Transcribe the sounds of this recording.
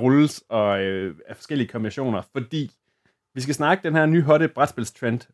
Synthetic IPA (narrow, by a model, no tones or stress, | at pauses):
ʁɔlsɒ̽øæfɒ̽sɡ̥el̰iəkʰɒ̽mbinæɕo̝̰ːnɐfɒ̽d̥ḭː | ʋis̬ɡ̥æsnɑ̈ːɡ̥əd̥enhæɐny̰ːɦɒɾəb̥ʁad̥sb̥e̝l̰st͡sʰʁend̥